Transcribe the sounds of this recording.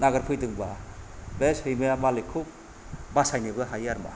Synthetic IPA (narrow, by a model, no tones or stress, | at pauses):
naɡɐɾpʰɯjdɯŋbabeshɯjmejamalekʰub̚ | basajnibɯɦajaɾma̰